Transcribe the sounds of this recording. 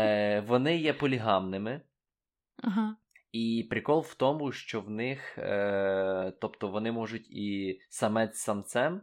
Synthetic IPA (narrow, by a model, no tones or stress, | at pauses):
ʋɔnɪjɛpɔlʲiɦɑmnɪmɪ | aɦ̩ | ipɾʲɪkɔlˠwt̪ɔmʊʃt͡ʃɔwnɪx | t̪ɔpt̪ɔʋɔnɪmɔʒʊtʲisɐmɛt͡sʲsɐmt̪sɛm